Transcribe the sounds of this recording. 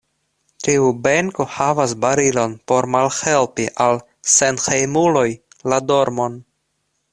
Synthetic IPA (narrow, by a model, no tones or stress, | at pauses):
tiubeŋko̞havasbaɾilo̞npo̞ɾmalhelpiʔal | senxejmulo̞j | lado̞ɾmo̞n